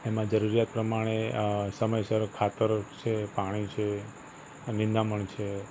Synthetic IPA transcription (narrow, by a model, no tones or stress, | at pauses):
emãd͡ʒəɾuɾijat̪̚pɾəmaɽ̃esəməjsəɾkʰat̪əɾt͡ʃʰepaɽ̃it͡ʃʰe | nĩnd̪aməɳt͡ʃʰe